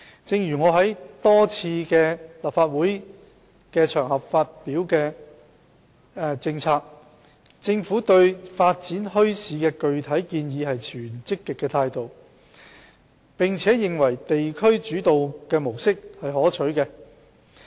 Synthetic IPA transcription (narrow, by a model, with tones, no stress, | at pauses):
t͡sɪ˧ŋjyː˨˩ŋɔː˨˧ɦɐ˨˥jt̪ɔː˥t͡sʰiː˧kɛː˧lɐː˨˩pfaː˧t̚wuː˨˥j | kɛː˧t͡ʃʰœː˨˩ŋhɐ˨p̚faː˧t̚piː˨˥wkɛː˧ | t͡sɪ˧ŋt͡sʰaː˧k̚ | t͡sɪ˧ŋfuː˨˥t̪ɵ˧ɥfaː˧t̚t͡siː˨˥nhɵ˥ɥsiː˨˧kɛː˧kɵ˨ɥt̪ʰɐ˨˥jkiː˧njiː˨˧hɐ˨jt͡ʃʰyː˨˩nt͡sɪ˥kːɪ˨kːɛː˧t̪ʰaː˧jt̪o˨w | pɪ˨ŋt͡sʰɛː˨˥jɪ˨ŋwɐ˨˩jt̪e˨jkʰɵ˥ɥt͡ʃyː˨˥t̪o˨wkɛː˧mo˨˩wsɪ˥k̚hɐ˨jɦɔː˨˥t͡ʃʰɵ˨˥kɛː˧